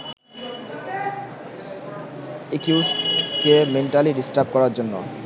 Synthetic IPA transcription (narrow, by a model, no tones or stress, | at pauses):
ekjusʈkemeɳʈaliɖisʈaɾb̚kɔɾaɾd͡ʑonːo̰